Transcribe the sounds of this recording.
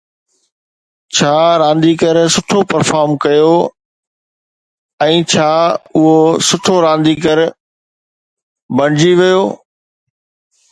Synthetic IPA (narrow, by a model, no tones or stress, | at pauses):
t͡ɕʰaːɾãːnd̪ikɐɾsʊʈʰopɐɾfaːɾmkɐjo | ɛ̃ːt͡ɕʰaːʊɦosʊʈʰoɾãːnd̪ikəɾ | bɐɽ̃d͡ʑiʋijoː